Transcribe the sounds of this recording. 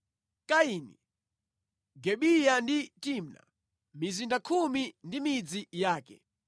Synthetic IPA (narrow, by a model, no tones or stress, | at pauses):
kaiːnḭ | ɡɛɓijanditimna̰ | mizindakʰumindimid͡zijaːkɛ̰